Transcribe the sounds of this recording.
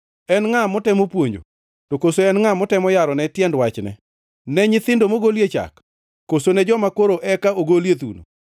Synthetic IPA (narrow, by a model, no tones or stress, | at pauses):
ɛnŋamɔtɛmopwoɲd͡ʒo̰ | tokosoɛnŋamɔtɛmɔjaɾɔnɛtjɛndwat͡ʃnɛ̰ | nɛɲɪt̪ɪndomoɡoljet͡ʃa̰kː | osonɛd͡ʒɔmakoɾoʔɛkaoɡoljet̪ṵno̰